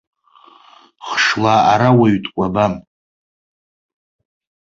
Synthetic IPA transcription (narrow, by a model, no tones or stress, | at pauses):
χʂlaːɾawaɥtʼkʷʼabam